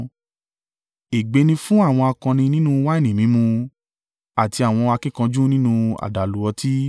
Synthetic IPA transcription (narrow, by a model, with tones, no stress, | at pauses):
e˨ɡ͡be˨˧nĩ˧fũ˦a˦˨w̃ɔ̃˧a˧kã˧nĩ˧nĩ˦nũ˦wa˦e˦˨nĩ˨mĩ˨˦mũ˧ | a˨ti˧a˨w̃ɔ̃˧a˧kĩ˦˨kã˧d͡ʒũ˦nĩ˦nũ˧a̰˨da˨lu˨˦ɔ˧tʰi˦